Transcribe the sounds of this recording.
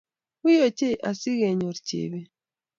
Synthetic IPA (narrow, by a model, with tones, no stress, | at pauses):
u˦jo˨t͡ʃe˦˨ʔa˨si˦ɣe˨ɲo˨ɾt͡ʃḛ˨βe˦